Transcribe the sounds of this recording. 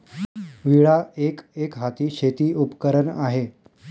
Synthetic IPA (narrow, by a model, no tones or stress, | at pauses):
ʋiɭaekekɦat̪iːɕet̪iːʔupkəɾənaɦe